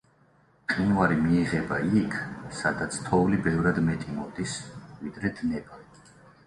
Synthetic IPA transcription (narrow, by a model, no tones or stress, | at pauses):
qʼinwaɾimiːʁɛbaikʰsad̪at̪sʰt̪ʰɔvlibɛvɾad̪mɛt̪ʼimɔd̪isvid̪ɾɛd̪nɛba